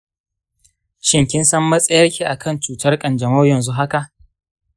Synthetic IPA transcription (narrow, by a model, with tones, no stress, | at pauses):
ʃɪ˦ŋkʲɪ˦nsɐ˦mːɐ˦sʼɐ˦jɐ˦rkʲiː˨ʔa˨kʰɐ˦˨nt͡ʃuː˨tɐ˦rkʼɐ˨nd͡ʒɐ˨ma˦wjɐ˨nzu˦ɦa˦ka˨ʔ